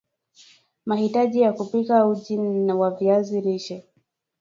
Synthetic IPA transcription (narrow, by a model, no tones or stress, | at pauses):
mahitaʄijakupikauʄiawaviaziɾiʃɛ